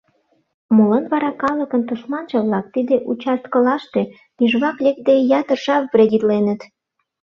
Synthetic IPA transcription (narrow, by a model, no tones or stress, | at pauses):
molənβɑɾɑkɑləkənt̪uʃmɑnʒə̆βlɑk̚t̪id̪eʔut͡ɕɑst̪kəlɑʃt̪e | nyʒβɑklek̚d̪ejɑt̪ərʃɑpbred̪ʲit̪lenət̪